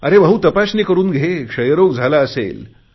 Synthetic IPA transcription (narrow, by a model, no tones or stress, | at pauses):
əɾebəɦut̪əpasniːkəɾuːnɡʱekʂəjəɾoɡd͡zʱalaəsḛl